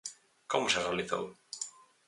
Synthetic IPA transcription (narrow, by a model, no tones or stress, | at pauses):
komʊserealiθo̰w